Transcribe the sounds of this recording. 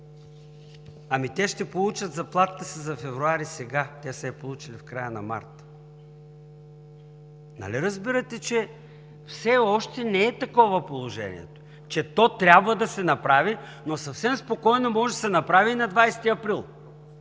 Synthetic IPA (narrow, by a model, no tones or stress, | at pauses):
ɐmit̪ɛʃt̪ɛpolˠut͡ʃəd̪zɐplˠat̪t̪əsizɐfɛvɾuaɾisɛɡat̪ɛsɛpolˠut͡ʃilifkɾajənɐ̰ma̰ɾt̪ | nɐ̰liɾɐzbiɾət̪ɛt͡ʃɛ | fsɛɔʃt̪ɛnɛːt̪ɐkɔvɐpolˠoʒɛ̰nḭɛ̰t̪o̥ | t͡ʃɛt̪ɔt̪ɾʲabvəd̪ɐsɛnɐpɾavi | nosɐfsɛmspokɔjnomɔʒɛd̪ɐsɛnɐpɾaviːnɐd̪vajst̪iɐpɾilˠ